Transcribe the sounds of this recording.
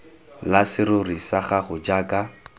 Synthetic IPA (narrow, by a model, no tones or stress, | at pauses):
lasɪɾʊrisaχaχʊd͡ʒaːka